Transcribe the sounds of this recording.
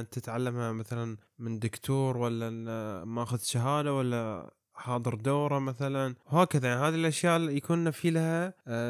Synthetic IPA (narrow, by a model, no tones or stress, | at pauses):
t̪ɪt̪ʕalːamhamaθalan | mɪnd̪ʊkt̪ʰuːɾwalːamaʔaxʊðʃaɦaːd̪awalːa | ħɑːd̪ˤɨɾd̪aːɾˤamaθalanwhaːkaðajaʕniɦaːðilʔaʃjaːʔjakuːnːafiːlha